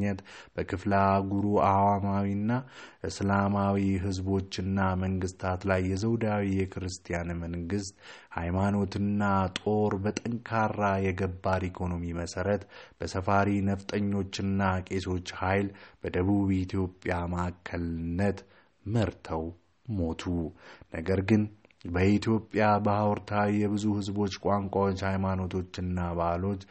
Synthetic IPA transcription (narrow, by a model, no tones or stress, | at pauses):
ət̪b̥əkʰɨflaɡuɾuawamawinːaʔɨslamawiɦɨzbo̞t͡ʃːɨnːaməŋɡɨst̪ʰat̪lajːɛzəwd̪awijɛkʰɨɾɨst̪ʰʼijanməŋɡɨst̪hajmano̞t̪ɨnːat̪ʼo̞ɾbət̪ʼəŋkʰarːajɛɡəbːaɾikʰo̞no̞miməsəɾət̪b̥əsəfaɾinəft̪ʼəɲːo̞t͡ʃːɨnːakʼe̞so̞t͡ʃːhajlb̥əd̪əβuβit̪ʰjo̞pʼːjamaakʰːəlɨnːət̪ | məɾt̪ʰəw | mo̞t̪ʰunəɡəɾɡɨnbəit̪ijo̞pʼːjabəhawɾt̪ʰawijɛβɨzuhɨzbo̞t͡ʃːkʷʼaŋkʷʼawot͡ʃːhajmano̞t̪ʰo̞t͡ʃːɨnːabaʔlo̞t͡ʃː